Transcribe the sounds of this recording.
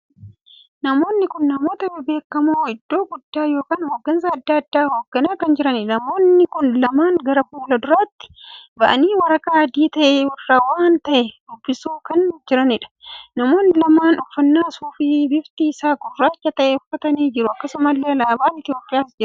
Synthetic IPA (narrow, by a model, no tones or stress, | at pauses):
nɐmo̞ːnːɪkʊnːɐmo̞ːt̪ɐbɛbe̞ːkːɐmoːɪd̪ːo̞ːɡʊd̪ːaːjo̞ːkaːnhoːɡːɐns̬ɐɐd̪ːɐːɐd̪ːaːhoːɡːɐnaːkɐnd͡ʒɪɾɐnɪnɐmo̞ːnːɪkʊnlɐmaːŋɡɐɾɐfuːlɐd̪ʊɾaːt̪ːɪ̥bɐʔɐ̰niːwɐɾɐkʼaɐd̪iːt̪ɐʔeːwɐrːaːwaːnt̪ɐʔɛd̪ʊbːɪsuːkɐnd͡ʒɪɾɐnɪᶑɐ̥nɐmo̞ːnːɪlɐmaːnʊfːɐnːaːsuːfɪbɪft̪iːsaːkʊrːaːt͡ʃːɐt̪ɐʔɛʊfɐt̪ɐneːd͡ʒɪɾʊɐkːɐsʊmɐlːeːɐlaːbɐʔɐnɪt̪ɪjo̞ːpʼːɪjaːsd͡ʒɪɾɐ